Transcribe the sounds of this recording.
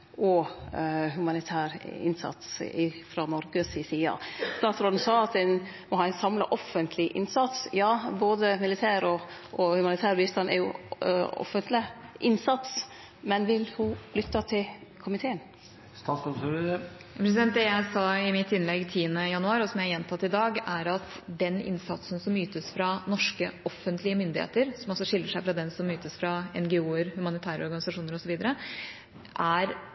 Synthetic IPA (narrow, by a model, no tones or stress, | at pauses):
ʔɔ | ɦʉmɑnɪt̪ʰæːɾɪ̰nsɑ̰t̪sɪfɾɑnɔɾɡəsisiːɑ̰st̪ɑːt̪sɾoːd̪n̩sɑːɑt̪̚d̪ɛn | mɔhɑːɛɪnsɑmlɑ̰ʔɔfənt̪ʰlɪʔɪ̰nsɑt̪sjɑːboːd̪əmɪlɪt̪ʰæːɾɔɔhʉmɑnɪt̪ʰæːɾbiːst̪ɑnɛ̰ɾjʊ̰ | ɔ̰fːənt̪lɪʔɪnsɑt̪s | mɛnʋɪlhʊlʏt̪ːɑt̪ʰɪlkʰʊmɪt̪ʰeːən | st̪ɑːsɔsuɾə | pʰɾɛsɪd̪ɛnt̪̚d̪ɛjæɪsɑɪmɪt̪ːɪnlɛɡt̪ʰiːənəjɑnʉɑːɾɔsɔmjæɪjɛnt̪ʰɑt̪ːɪd̪ɑːɡæɾɑt̪ | d̪ɛnɪ̰nsɑt̪sən̩sɔmːyːt̪əsfɾɑnɔʂkəʔɔfːənt̪lɪəmʏnd̪ɪhḛːt̪əɾsɔmɔlsɔʂɪlːəʂæɪfɾɑd̪ɛnsɔmːyːt̪əsfɾɑɛnɡɛuːəɾhʉmɑnɪt̪ʰæːɾə̰ɔɾɡɑnɪsɑʂuːnəɾɔsɔʋiːd̪əɾə | ʔæɾ